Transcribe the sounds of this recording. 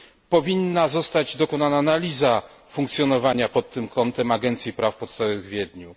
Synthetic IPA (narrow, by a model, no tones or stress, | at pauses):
pɔvʲinːazɔst̪ad͡ʑd̪ɔkɔnananalʲiza | fuŋkt̪sʲjɔnɔvaɲapɔt̪ːɘmkʰɔnt̪ɛmaɡɛnt̪sʲjipɾafpɔt̪st̪avɔvɨɣvʲjɛd̪ɲu